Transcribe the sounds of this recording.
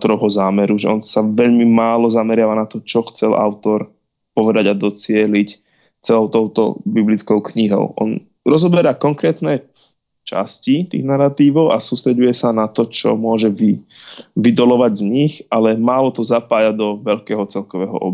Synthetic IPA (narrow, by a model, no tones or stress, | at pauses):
t̪ɔɾɔʊɦɔzaːmɛɾuʒɛɔnsaʋɛʎmimaːlɔzamɛɾɪaʋanat̪ɔt͡ʃɔxt͡sɛlʔa̰ʊt̪ɔɾ | pɔʋɛd̪aɟad̪ɔt͡sɪɛlic | t͡sɛlɔʊt̪ɔʊt̪ɔ̰biblit͡skɔʊkɲiɦɔ̰ʊʔɔ̰n | ɾɔzɔbɛɾaːkɔŋkɾɛːt̪nɛ | t͡ʃa̰scit̪ḭːɣnaɾat̪iːʋɔʊʔa̰suːst̪ɾɛɟujɛsanat̪ɔt͡ʃɔ̰mʊɔʒɛʋiʋid̪ɔlɔʋaɟzɲixʔalɛmaːlɔt̪ɔzapaːjad̪ɔʋɛʎkɛːɦɔt͡sɛlkɔʋɛːɦɔ̰ʔɔ̰b